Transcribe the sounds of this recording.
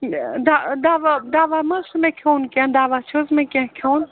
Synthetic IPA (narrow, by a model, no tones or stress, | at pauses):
d̪ad̪aʋad̪aːʋamɐsmẽkʰoːnkẽnd̪aːʋat͡ʃʰozmẽkʲẽkʰown